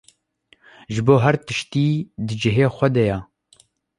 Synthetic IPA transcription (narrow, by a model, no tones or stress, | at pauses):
ʒɨboːɦɛɾt̪ɨʃt̪iːd̪ɨd͡ʒɪɦeːxʷɛd̪ɛjɑ